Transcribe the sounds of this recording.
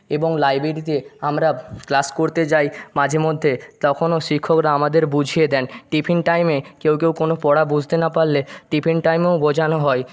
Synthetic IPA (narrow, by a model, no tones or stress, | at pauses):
eboŋlajbeɾit̪eamɾaklaskoɾt̪et͡ɕajmad͡ʑʱemod̪ʱːet̪ɔkʰonoʃikʰːokɾaamad̪eɾbud͡ʑʱijed̪ɛnʈipʰinʈajmekewkewkonopɔɽabud͡ʑʱt̪enapaɾleʈipʰinʈajmeobod͡ʑʱanoɦɔe